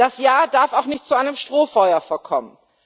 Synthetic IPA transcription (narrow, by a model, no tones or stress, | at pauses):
d̥asjaːɐdaɐfaʊxnɪçt̚t͡suʔaɪnəmʃtʁ̥oːfɔʏɐfɔɐkʰɔmən